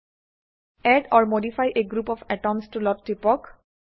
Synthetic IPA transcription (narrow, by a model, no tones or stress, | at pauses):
ɛɖɔɹmodifajʔeɡɹupɔfɛʈɔmstulɔtːɹipɔk